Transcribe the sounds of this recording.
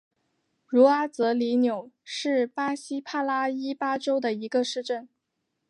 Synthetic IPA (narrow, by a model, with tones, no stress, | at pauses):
ɻu˧˥a˥t͡sɤ˧˥li˧˥njo˨˩ʊʂɻ̩˥˩pa˥ɕi˥pʰa˥˩la˥i˥pa˥ʈ͡ʂo˥ʊd̪ə˨i˧˥ɡə˧ʂɻ̩˥˧ʈ͡ʂə˥˩n